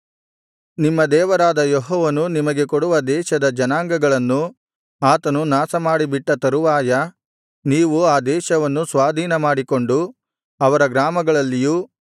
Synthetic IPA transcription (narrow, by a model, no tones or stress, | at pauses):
nimːɐd̪ɛːʋɐɾaːd̪ɐjoɦɔːʋɐnunimɐɡe̞koɽuʋɐd̪ɛːʃɐd̪ɐd͡ʒɐnaːŋɡɐɡɐɭɐnːu | aːt̪ɐnunaːsɐmaːɽibiʈːɐt̪ɐɾuʋaːjɐ | niːʋuaːd̪ɛːʃɐʋɐnːusʋaːd̪ʱiːnɐmaːɽiko̞ɳɖu | ɐʋɐɾɐɡɾaːmɐɡɐɭɐlːiju